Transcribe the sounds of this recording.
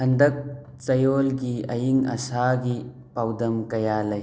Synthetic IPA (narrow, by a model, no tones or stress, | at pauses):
hɐnd̪ɐk̚ | t͡ʃɐjolɡiɐ̰jiŋɐ̰saɡi | pawd̪ɐmkɐjalɐj